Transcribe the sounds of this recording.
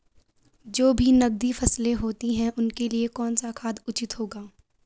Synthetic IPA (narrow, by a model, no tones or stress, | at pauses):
d͡ʒoːbʱinɐɡ̚d̪ifɐslẽɦoːt̪iɦɛ̃ʔʊnkeliekɔːnsakʰaːd̪ʊt͡ʃɪt̪ɦoːɡaː